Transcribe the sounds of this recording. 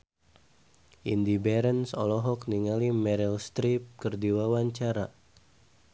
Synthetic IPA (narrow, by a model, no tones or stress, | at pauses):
ʔindibɛɾənsɔ̰lɔɦɔk̚niŋalimɛɾilst̪ɾip̚kərdiwawaɲt͡ʃaɾa